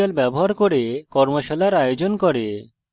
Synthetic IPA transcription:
albɛboɦaɾkoɾekɔɾmoʃalaɾajod͡ʑonkɔɾe

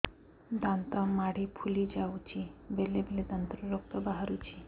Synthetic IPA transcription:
d̪ãnt̪amaɽipʰulid͡ʒawt͡ɕibelebeled̪ant̪ɾuɾok̚t̪abaɦaɾut͡ɕi

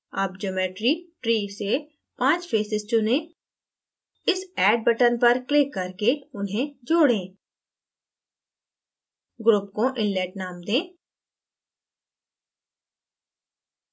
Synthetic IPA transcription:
aːpd͡ʒoːmeːʈɾiʈɾiːse | pãːt͡ʃpʰeːsɪzt͡ʃʊ̃nẽ | ɪsɛːɖ̚bəʈənpɐɾklɪkːɐɾkeʊnɦẽd͡ʒoːɽẽː | ɡɾʊpkoʔɪ̃nleːʈnaːmd̪ẽː

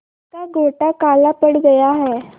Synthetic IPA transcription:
kaɡʱoʈakalapəɽɡəjaɦɛ

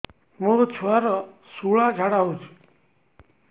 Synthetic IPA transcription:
mũt͡ʃʰaɾɔsuɭad͡ʒʱaɽaɦũt͡ʃʰu̥

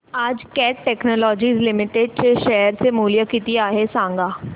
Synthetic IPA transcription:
əd͡ʒkɛːʈːɛːknoːlɔːd͡ʒiːzlɪmɪʈeɖ̚t͡ʃeʃɛːəɾsemuːlijaːkit̪iaːɦeːsãːŋɡaː

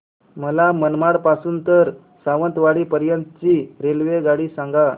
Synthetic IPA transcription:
məlamənmaɽpasuːnt̪əɾ | saʋənt̪ʋaɽiːpəɾjənt̪t͡ɕiɾelʋeɡaɽiːsaŋɡa

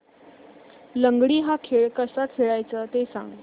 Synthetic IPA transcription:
ləŋɡɽiːɦakʰeɭkəsakʰeɭajt͡səːt̪esã̰ŋɡ

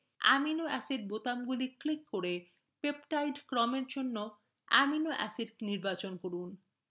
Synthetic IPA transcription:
ɛ̰minoɛsiɖ̚bot̪amɡuliklikːoɾe | pepʈajɖkɾɔmeɾd͡ʑonːo | ɛ̰minoʔɛ̰siɖniɾbat͡ɕonkoɾun

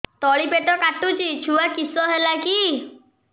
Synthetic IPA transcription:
t̪ɔɭipeʈɔkaʈut͡ʃʰit͡ʃʰuakisɔɦelaki

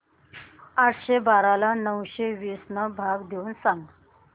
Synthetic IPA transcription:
aʈʰɕebaɾalanəwɕeʋisnəbʱaɡd̪ʱeuːnsaŋɡ

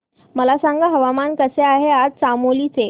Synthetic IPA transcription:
məlasãŋɡaɦəʋamankəseaɦead͡zsamolit͡se

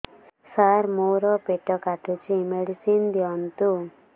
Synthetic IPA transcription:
saɾmowɾɔpeʈɔkaʈut͡ʃimeɽisind̪iɔnt̪u

